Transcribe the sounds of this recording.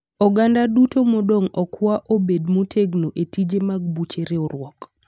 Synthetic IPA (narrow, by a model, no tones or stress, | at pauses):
ɔɡandadutomodoŋɔkwaʔobedmotʰeɡnoʔetid͡ʒemaɡ̚but͡ʃeɾeɔɾwɔk